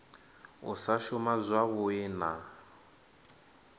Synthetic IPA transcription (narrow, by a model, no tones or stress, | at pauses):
ṵsaʃʊmazʷwaβʊɪna